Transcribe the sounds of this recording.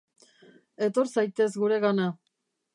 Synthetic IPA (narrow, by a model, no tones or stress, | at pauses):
e̞t̪o̞ɾsajt̪e̞zɣuɾe̞ɣana